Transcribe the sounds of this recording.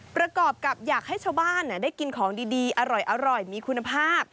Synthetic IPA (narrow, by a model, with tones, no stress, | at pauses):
pɾa˧kɔː˨˩p̚ka˨˩p̚jaː˨˩k̚ha˥˩jt͡ɕʰa˥˩wbaː˥˩nːa˧˩daː˥˩jki˧nkʰɔː˩˦ŋdiː˧diː˧ʔa˧ɾɔ˨˩jʔa˧ɾɔ˨˩jmiː˧kʰu˧nːa˧pʰaː˥˩p̚